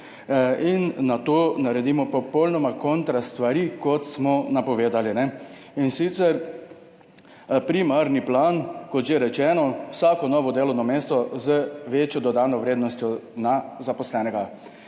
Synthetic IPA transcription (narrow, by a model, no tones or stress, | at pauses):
inːat̪oːnaɾɛd̪iːmɔpɔpɔwlnɔmakɔnt̪ɾast̪ʋaɾikɔt̪smɔnapɔʋeːd̪alinɛ | insit̪sɛɾ | pɾimaɾniplankɔt̪ʒeɾɛt͡ʃɛːnɔwsaːkɔnɔːʋɔd̪eːlɔwnɔmeːst̪ɔzəʋet͡ʃjɔd̪ɔd̪aːnɔʋɾeːd̪nɔst̪jɔnazapɔslɛːnɛɡa